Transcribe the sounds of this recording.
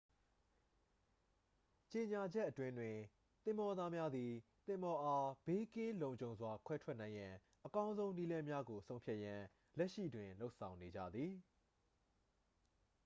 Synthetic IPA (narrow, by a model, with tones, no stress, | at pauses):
t͡ɕe˨ɲa˨d͡ʑɛ˦ʔːətwɪ̃˦ndwɪ̃˨ | t̪ɪ̃˨mbɔ˨d̪a˦mja˦d̪i˨t̪ɪ̃˨mbɔ˨ʔa˦b̥e˦kɪ̃˦lõ˨ʊ̃ɲd͡ʑõ˨ʊ̃nzwa˨kʰwɛ˦tʰwɛ˦ʔnã˨ɪ̃jã˨ | ʔəkã˦ʊ̃nzõ˦ʊ̃ni˦lɛ̃˦mja˦ɡo˨sʰõ˦ʊ̃mpʰja˦ʔjã˨ | lɛ˦ʔʃḭ˦˨dwɪ̃˨lo˦ʔsʰã˨ʊ̃ne˨d͡ʑä̰˦˨d̪ði˨